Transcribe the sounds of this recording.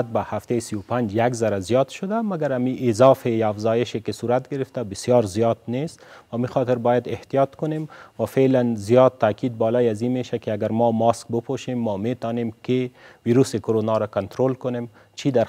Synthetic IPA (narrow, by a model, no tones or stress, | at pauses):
t̪̚bahaft̪esiwpand͡ʒjaɡzaɾazijɑd̪ʃʊd̪amaɡaɾamiʔɪzɑfejaːfzɑjɪʃekɪsuɾat̪ɡɪɾɪft̪abɪsjɔːɾzijɑt̪̚nest̪waːmixɔt̪ɪɾbɔjad̪ɪht̪ijɑt̪kʊnemwafelanzijɑd̪̚t̪ːaːkid̪̚bɒːlɔjazimeʃakɪaɡaɾmɔmɑsk̚bɪpʰoʃemːɔmet̪ɔnemkewiɾusekʊɾonɑɾakant̪ɾolkʊnem | t͡ʃʰid̪aɾ